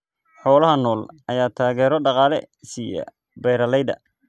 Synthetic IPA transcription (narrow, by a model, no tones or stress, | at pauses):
ħɔːlɐɦɐnɔːlɐjaːt̪ʰaːɣɛːɾɔɖɑqɑːlɛ̰ | sijɐ̰ | bɛjɾɐlɛjd̪ɐ̰